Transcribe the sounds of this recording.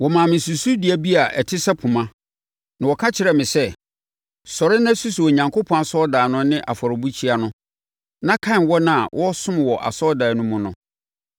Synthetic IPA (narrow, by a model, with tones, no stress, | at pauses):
wɔ˨mã˨mɪ̃˨su˨su˦dɪ˨˦æ˨bi˦a˨ʔɛ˨tʰɪ˦sa˦pʰũ˨mã˦ | nã˨wɔ˨kʰã˦t͡ɕʰɪ˨ɾɛ˨mɪ̃˨sɛ˦ | sɔ˨ɾɪ˦nã˦su˦su˨ɔ˨ɲã˨ŋkʰo˦pʰɔ̃˦a˨sɔ˦daː˨nʊ̃˦nɪ̃˦ʔa̰˨fɔ˨ɾɪ˨bu˦t͡ɕʰi˦a˦nʊ̃˦ | nã˦kʰã˦˨nwɔ˦nã˦˨wʔɔ˦sʊ̃˦m˨wɔ˨ʔa̰˨sɔ˦daː˨nʊ̃˦mʊ̃˦nʊ̃˦